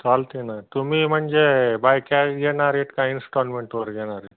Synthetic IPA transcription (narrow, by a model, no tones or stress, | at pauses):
t̪aːlt̪inat̪umimɐnd͡ʒebʱajkaɡenaːɾeʈkainsʈoːnmeɳʈoɾɡenaɾe